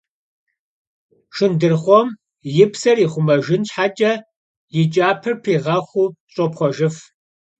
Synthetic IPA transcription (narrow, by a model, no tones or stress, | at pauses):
ʂɨndɨrχʷɔm | jɪpsɐriːχʷʊmɐʒɪnɕħat͡ʃʼɐ | jɪt͡ʃʼaːpʰɨrpʰiːʁɐxʷuːɕʼɔpχʷɔʒɪf